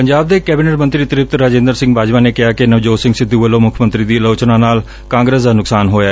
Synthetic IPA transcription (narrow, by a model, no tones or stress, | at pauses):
pəɲd͡ʒaːb̚d̪eːkɛːbiːneʈmə̃nt̪ɾiːt̪ɪɾɪp̚t̪ɾaːd͡ʒẽːnd̪əɾsɪ̃ŋɡbaːd͡ʒmaːneːkɪaːkɪnəʋd͡ʒoːsɪ̃ŋɡsɪd̪ːuːʋəloːmʊkʰmə̃nt̪ɾiːd̪iːloːt͡ʃnãːnaːl | kãːŋɡɾeːs̬d̪aːnʊksaːnɦoːjaːɛ